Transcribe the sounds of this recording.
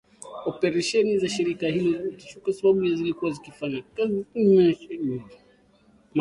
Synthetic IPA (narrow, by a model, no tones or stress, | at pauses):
ɔpɛɾaʃɛnizaʃiɾikahilɔzɛki̥t͡ʃɔkwasaɓaɓujazilikuwazikifaɲakazimɛɛi | m